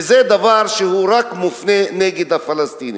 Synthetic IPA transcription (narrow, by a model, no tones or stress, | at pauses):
zed̪avaɾʃehuɾakmufneneɡed̪hafalast̪ini